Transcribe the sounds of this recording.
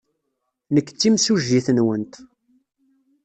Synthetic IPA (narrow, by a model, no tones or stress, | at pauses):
nəkːt͡sːimsuʒːiθənwənt̪